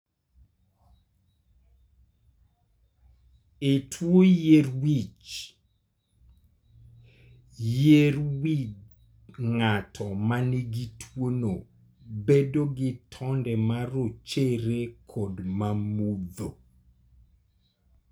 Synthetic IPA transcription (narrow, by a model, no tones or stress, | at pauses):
etʰwojerwit͡ʃ | jeɾwid | ŋatʰɔmaniɡitʰwono | bedoɡɪtʰɔndɛmaɾot͡ʃeɾekʰodmamud̪o